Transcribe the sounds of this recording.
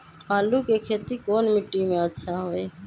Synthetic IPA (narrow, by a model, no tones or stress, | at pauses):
aːluːkeːkʰeːt̪iːkoːnmɪʈːiːmẽətːʃʰaːɦoːeː